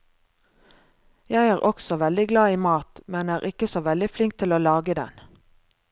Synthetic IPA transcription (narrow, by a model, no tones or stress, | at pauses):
jæɪæːʁʔɔksɔʋɛld̪ɪɡlɑːiːmɑːt̪mɛnæːʁʔɪkəsoːʋɛld̪ɪflɪŋk̚t̪ʰɪloːlɑːɡəd̪ɛ̰n